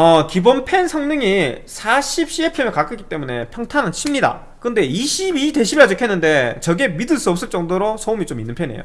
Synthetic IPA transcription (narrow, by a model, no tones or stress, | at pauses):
ʌkibonpʰe̞nsʰʌŋnɯŋisʰaɕʰip̚ɕ͈iepʰemjekak͈ʰɯk͈i̥t͈e̞mune̞̰pʰjʌŋtʰanɯnt͡ɕʰimɲida̰ | kɯnde̞iɕʰibite̞ɕʰibiad͡ʑokʰenːɯnde̞t͡ɕʌɡe̞midɯɭs͈uʌp̚s͈ɯɭt͡ɕ͈ʌŋdoɾosʰʌumit͡ɕominːɯnpʰe̞nḛjo̰